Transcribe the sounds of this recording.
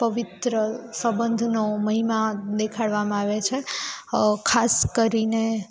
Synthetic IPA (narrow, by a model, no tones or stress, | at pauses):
pəʋit̪ɾəsəbə̃nd̪ʱnoməɦimad̪ekʰaɽʋamãaʋet͡ʃʰe | kʰaskəɾine